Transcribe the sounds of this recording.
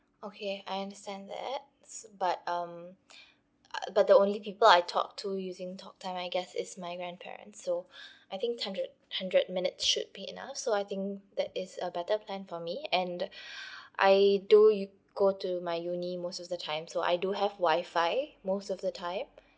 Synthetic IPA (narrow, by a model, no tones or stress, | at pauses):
okʰeajãndəstɛ̃nðɛ̰t̚ | bat̚ʌ̃m | bat̚d̪əõnlipipəlaɪtʰɔ̰k̚tʰujuzɪ̃ŋtʰɔk̚tʰãɪ̃maɪɡɛsɪ̰smaɪɡɹãnpʰɛ̰ɹə̰̃nsːoajθɪ̃ŋkhãndɹəd̚hãndɹəd̚mɪ̃nɪtsʃʊ̰d̚biḭna̰fsoaɪθɪ̃ŋk̚d̪ɛtɪzəbɛtəpʰlɛ̃nfɔmiɛ̃n | ʔa̰ɪdu | ɡ̥otumaɪjunimostɔvdətʰãɪ̃msoʔa̰ɪduɦɛvwaɪfaɪmostɔvdətʰãɪ̃m